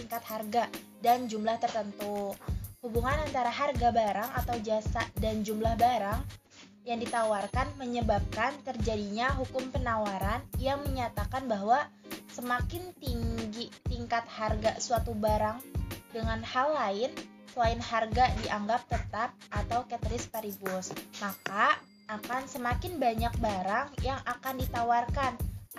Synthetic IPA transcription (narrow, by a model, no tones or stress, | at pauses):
t̪iŋkat̪̚harɡa | dand͡ʒumlaht̪ərt̪ənt̪uhubuŋanant̪aɾaɦarɡabaɾaŋat̪awd͡ʒasaʔdand͡ʒumlahbaɾaŋ | jaŋdit̪awarkanməɲəbap̚kant̪ərd͡ʒadiɲaɦukʊmpənawaɾanjaŋməɲat̪akanbaɦwa | səmakɪnt̪iŋɡit̪iŋkat̪̚harɡasuat̪ubaɾaŋdəŋanhalːaɪn | səlaɪnharɡadiʔaŋɡap̚t̪ət̪ap̚ʔat̪awkɛt̪ɾɪspaɾibsmaka | akansəmakɪnbaɲak̚baɾaŋjaŋʔakandit̪awarkan